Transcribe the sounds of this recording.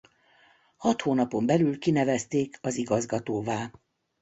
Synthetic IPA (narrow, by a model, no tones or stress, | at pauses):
hɒt̪hoːnɒpo̞mbɛlylkinɛvɛst̪eːkɒziɡɒzɡɒt̪oːvaː